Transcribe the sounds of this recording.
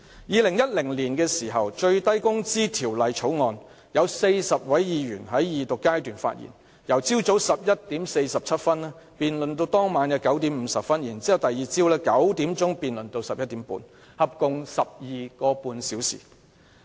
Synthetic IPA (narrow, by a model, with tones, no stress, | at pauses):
jiː˨˧lɪ˨˩ŋjɐ˥t̚lɪ˨˩ŋliː˨˩nkɛː˧siː˨˩ɦɐ˨wt͡ʃɵ˧ɥt̪ɐ˥jkʊ˥ŋt͡siː˥t̪ʰiː˨˩wlɐ˨jt͡ʃʰo˨˥wŋɔː˧n | jɐ˨˧wse˧jsɐ˨p̚wɐ˨˥jjiː˧ɥyː˨˩nɦɐ˨˥jjiː˨˩t̪ʊ˨kːaː˥jt̪yː˨˩nfa̰˧t̚jḭ˨˩n | jɐ˨˩wt͡siː˥wt͡so˨˥wsɐ˨p̚jɐ˥t̚t̪iː˨˥mse˧jsɐ˨p̚t͡sʰɐ˥t̚fɐ˥nɛ˥ | piː˨nlɵ˨nt̪̬o˧wt̪ɔː˥ŋmaː˨˥nɐː˧kɐ˨˥wt̪iː˨˥m̩ː˨˧sɐ˨p̚fɐ˥njiː˨˩nt͡siː˥ɐ˨wt̪ɐ˨jiː˨˩t͡siː˥wlɛː˥kɐ˨˥wt̪iː˨˥mt͡sʊ˥ŋpiː˨nlɵ˨nt̪o˧wsɐ˨p̚jɐ˥t̚t̪iː˨˥mpṵː˨˧n | hɐ˨p̚kʊ˨˧ŋsɐ˨p̚jiː˨kɔː˧puː˧nsiː˨˥wsḭː˨˩